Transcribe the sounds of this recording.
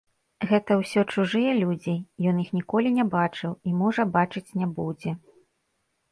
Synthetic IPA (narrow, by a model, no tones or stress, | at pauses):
ɣɛt̪ɐwsʲɔt͡ʂuʐɨjɛlʲud͡zʲijɔnjixnʲikɔlʲinʲɛbat͡ʂɨwimɔʐɐbat͡ʂɨt͡sʲnʲɛbud͡zʲɛ